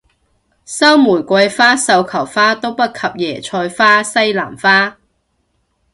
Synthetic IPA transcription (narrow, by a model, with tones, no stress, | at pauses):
sɐ˥wmuː˨˩jkʷɐ˧jfaː˥sɐ˧wkʰɐ˨˩wfaː˥t̪o˥wpɐ˥t̚kʰɐ˨p̚jɛː˨˩t͡ʃʰɔː˧jfaː˥sɐ˥jla̰ː˨˩mfaː˥